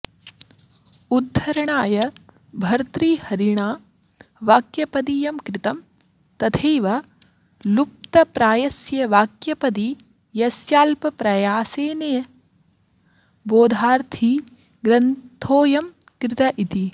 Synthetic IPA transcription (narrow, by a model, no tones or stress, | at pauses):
ud̪ʱːɐɾɐɳaːjɐ | bʱɐɾt̪ɾiːhɐɾiɳaː | ʋaːkjɐpɐd̪ijɐmkɾɪt̪ɐm | t̪ɐt̪ʰeːʋɐ | lup̚t̪ɐpɾaːjɐsjɐʋaːkjɐpɐd̪i | jɐsjaːlpɐpɾɐjaːseːnɐjɐ | boːd̪ʱaːɾt̪ʰi | ɡɾɐnt̪ʰoːjɐmkɾɪt̪ɐʔit̪i